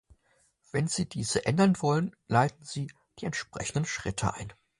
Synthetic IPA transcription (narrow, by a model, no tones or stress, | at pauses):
v̥ɛnziːdiːzəʔɛndɐnvɔlənlaɪtn̩ziː | d̥iːɛntʃpʁ̥ɛ̰çn̩dənʃʁ̥ɪtʰə̰ʔa̰ɪn